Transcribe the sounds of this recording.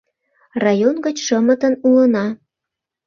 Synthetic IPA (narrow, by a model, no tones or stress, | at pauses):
rɑjonɡət͡ɕʃəmət̪ənulənɑ